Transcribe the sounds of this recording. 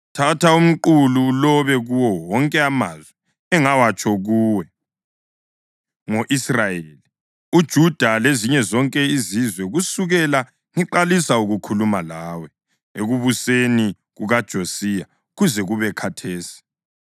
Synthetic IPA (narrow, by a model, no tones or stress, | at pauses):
tʰatʰaum̩ǃululɔβɛɣuwɔwɔŋkʼɛamaːzwɛ | ɛŋawat͡ʃʼɔɣuːwɛ | ŋoʔisrajeli | ud̥ʒ̥ʱud̥ʱaleziɲɛzɔŋkʼɛizizwɛɣusuɣɛla | ŋiǃalisauɣukʰulumalaːwɛ | ḛɣuβuseni | ɣuɣad̥ʒ̥ʱosija | ɣuzɛɣuβɛkʰatʰeːsi̥